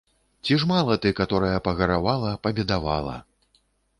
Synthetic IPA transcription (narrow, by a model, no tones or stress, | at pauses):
t͡sʲiʐmalˠɐt̪ɨkat̪ɔɾɐjɐpɐɣɐɾavalˠɐpɐbʲɛd̪ava̰lˠɐ̰